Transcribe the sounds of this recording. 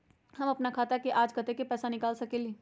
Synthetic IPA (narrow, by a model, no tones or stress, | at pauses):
hɐmɐpnakʰaːt̪akeʔaːd͡ʒkət̪ekepɛːsanɪkaːlsɐkeliː